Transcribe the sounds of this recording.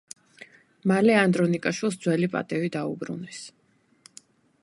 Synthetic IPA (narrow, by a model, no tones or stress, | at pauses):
malɛand̪ɾɔnikʼaʃwilˠs̬d̪z̥wɛlipʼa̰t̪ʼɛvid̪aṵbɾṵnɛs